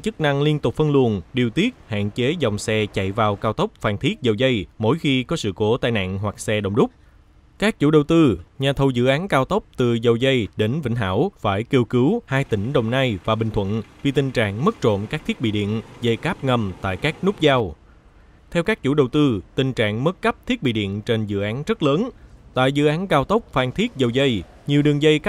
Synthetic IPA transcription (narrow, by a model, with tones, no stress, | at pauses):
t͡ɕɨ˦˥k̚na˧ŋli˧ənt̪ʊ˨˩k͡p̚fə˧nlu˨˩ənɗi˨˩əwt̪i˦˥ət̚ha̰ː˧˨nt͡ɕe˨˦zɔ˨˩wŋ͡msɛ˧t͡ɕa̰˧˨jvaː˨˩wkaː˧wt̪ə˦˥wk͡p̚faː˨˩nt̪ʰi˦˥ət̚zə˨˩wzə˧jmo̰˧˥jxi˧kɔ˨˦sɨ̰˧˨ko˨˦t̪aː˧˨jna̰ː˧˨nɦwa˨˩k̚sɛ˧ɗə̰˨wŋ͡mɗʊ˦˥k͡p̚ | kaː˦˥k̚t͡ɕṵ˧˩˥ɗə˨˩wt̪ɨ˧ɲaː˨˩t̪ʰə˨˩wzɨ̰˧˥ʔaː˨˦nkaː˧wt̪ə˦˥wk͡p̚t̪ɨ˨˩zə˨˩wzə˧jɗe˨˦nvḭ˧˨ŋ̟ɦa̰ː˧˥wfaː˧˩jki˧əwkɨ˨˦whaː˧jt̪ï˧˩ŋ̟ɗə˨˩wŋ͡mnaː˧jvaː˨˩ɓï˨˩ŋ̟t̪ʰwə̰˧˨nvi˨˩t̪ï˨˩ŋ̟t͡ɕa̰ː˧˨ŋmə˦˥t̚t͡ɕo̰˧˨mkaː˦˥k̚t̪ʰi˦˥k̚ɓḭ˧˨ɗḭ˧˨ənzə˧jkaː˦˥p̚ŋə˧mt̪a̰ː˧˨jkaː˦˥k̚nʊ˦˥k͡p̚zaː˧w | t̪ʰɛ˧wkaː˦˥k̚t͡ɕṵ˧˩˦ɗə˨˩wt̪ɨ˧t̪ï˨˩ŋ̟t͡ɕa̰ː˧˨ŋmə˦˥t̚kə˦˥p̚t̪ʰi˦˥əɓḭ˧˨ɗḭ˧˨ənt͡ɕe˧nzɨ̰˧˨ʔaː˨˦nzə˦˥t̚ləː˨˦nt̪a̰ː˧˨jzɨ̰˧˨ʔaː˨˦nkaː˧wt̪ə˦˥wk͡p̚faː˧nt̪ʰi˦˥ət̚zə˨˩wzə˧j | ɲi˨˩əwɗɨ˨˩əŋzə˧jka˦˥